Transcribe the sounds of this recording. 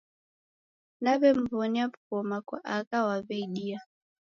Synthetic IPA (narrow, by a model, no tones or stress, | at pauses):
naβɛm̩vɔniapkɔmakwa̰ʔakawaβɛiɗia